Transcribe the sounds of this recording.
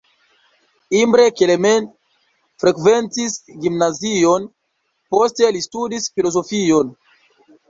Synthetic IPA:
imbɾe̞keleme̞n | fɾe̞kve̞ntisɡimnazio̞n | po̞ste̞listudisfilo̞zo̞fio̞n

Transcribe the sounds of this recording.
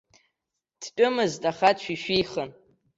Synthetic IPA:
d̥ʰt͡pʼʊmɨztʼaχatʰʃʷᶣiʃᶣijχən

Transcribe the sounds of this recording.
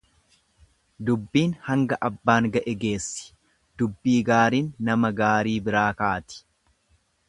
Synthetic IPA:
d̪ʊbːiːnhɐŋɡɐʔɐbːaːŋɡɐʔɛɡe̞ːsːɪ̥ | d̪̥ʊbːiːɡaːɾiːnːɐmɐɡaːɾiːbɪɾaːkaːt̪ɪ̥

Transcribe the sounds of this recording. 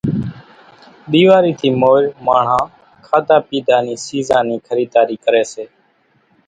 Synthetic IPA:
ɗ̪iːʋaːɾiːt̪ʰiːmoːɾmaːɳ̤ãː | kʰaːd̪aːpiːd̪ʱaːniːsiːzãːniːkʰəɾiːd̪aːɾiːkəɾeːseː

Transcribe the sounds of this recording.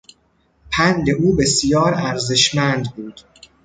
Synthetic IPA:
pʰænd̪e̞ʔuːbe̞sjɒːɾæɾzeʃmænd̪buːd̪̥

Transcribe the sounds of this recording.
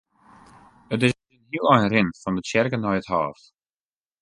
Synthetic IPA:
ətɪs | ənhiəlˠɛjnrɪnfɔndət͡ʃɛrkənɔjətha̰ːft

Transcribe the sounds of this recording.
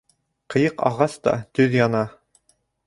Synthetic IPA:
qɤ̆jɤqɑ̰ʁɑst̪ɑ̰t̪ɵðjɑnɑ

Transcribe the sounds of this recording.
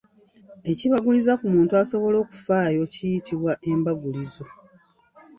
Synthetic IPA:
e̞ciβaɡulizakumuːntuaso̞βo̞lo̞ːku̥faːjo̞cijitiβwaʔe̞mbaɡulizo̞

